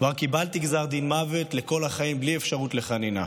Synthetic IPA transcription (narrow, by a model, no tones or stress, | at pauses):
vaʁkibaltiɡzaʁd̪inmave̞tle̞ko̞laχaimbliefʃaʁut̪le̞χanina̰